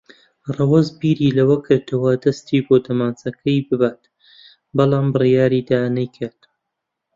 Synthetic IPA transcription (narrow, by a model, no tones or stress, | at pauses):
rɑwɐzbiːɾiːlɐwɐkʰɨɾt̪ʰɐwɐd̪ɐst̪iːbod̪ɐmaːnt͡sɐkʰɐjbɨbaːt̪ | bɑlˠaːmbɨrjaːɾiːd̪aːnɐjkʰaːt̪